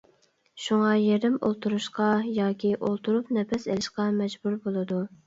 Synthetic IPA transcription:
ʃuŋɑjeɾɪmo̰lˠt̪ʰuɾuʃqɑjɑːkʲʰiʔolˠt̪ʰuɾupnɛpɛselɪʃqɑmɛd͡ʒbuɾbolˠɨd̪u

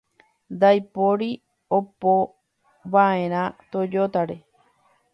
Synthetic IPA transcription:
d̪ajpoɾi | opo | βaẽɾ̃ãt̪od͡ʒot̪aɾe

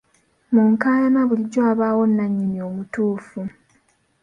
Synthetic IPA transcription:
muŋkaːlamaβuliɟːoaβaːwo̞nːaɲːimio̞ːmutuːfu

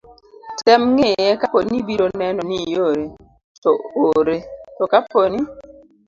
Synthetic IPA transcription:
tɛmŋejɛkaponibiɾonɛnɔnijoɾe | tɔoɾetɔkaponi

